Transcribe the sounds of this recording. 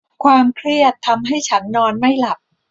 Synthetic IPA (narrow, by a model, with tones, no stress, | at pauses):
kʰwaː˧mkʰɾi˥˩ət̪ʰːa˧mɦa˥˩jt͡ɕʰa˦˥nːɔː˧nma˥˩jla˨˩p̚